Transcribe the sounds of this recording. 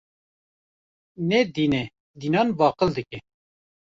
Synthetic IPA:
nɛd̪iːnɛ | d̪iːnɑːnbɑːqəld̪ɨkʲɛ

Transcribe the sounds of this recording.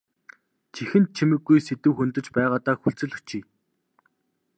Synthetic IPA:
t͡ɕʰixɘ̆nt̪̚t͡ɕʰimɘ̆ɡːujset̪ɘ̆wxunt̪ɘ̆t͡ɕpæːʁaːt̪aːxuɬt͡sɘ̆ɮɘ̆xt͡ɕʰiː

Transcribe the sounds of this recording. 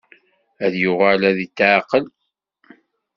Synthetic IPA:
æðjʊʁælæðit̪ːʕqəl

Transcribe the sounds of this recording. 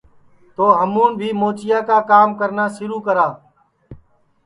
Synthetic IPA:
t̪oːɦəmuːnbʱiːmoːt͡ʃɪjaːkaːkaːmkəɾnaːsɪɾuːkəɾaː

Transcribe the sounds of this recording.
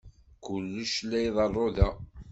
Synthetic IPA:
kʊlːəʃlæjðˤɑrˤːoðæ

